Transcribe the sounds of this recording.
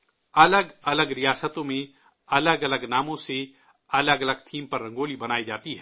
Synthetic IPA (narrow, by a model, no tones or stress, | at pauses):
ɐləɡɐləɡɾijaːsət̪õmẽ | ɐləɡɐləɡnaːmõse | ɐləɡɐləɡt̪ʰiːmpɐɾːɐ̃ŋɡoːlibɐnaːid͡ʒaːt̪iɦɛː